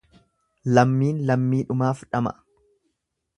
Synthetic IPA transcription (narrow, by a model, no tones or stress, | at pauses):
lɐmːiːnlɐmːiːᶑʊmaːfᶑɐmɐ̰ʔ